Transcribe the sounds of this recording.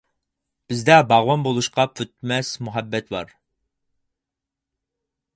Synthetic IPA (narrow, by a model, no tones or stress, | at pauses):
b̥ɪzd̪ɛbɑʁwɑnbolˠuʃqɑpʰøt̪̚mɛsmuɦɛbːɛt̪bɑ̰ɾ